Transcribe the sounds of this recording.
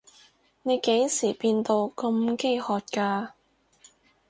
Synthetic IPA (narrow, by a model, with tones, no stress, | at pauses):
ne˨˧jke˨˥jsiː˨˩piː˧nt̪o˧wkɐ˧mke˥jhɔː˨t̚kaː˧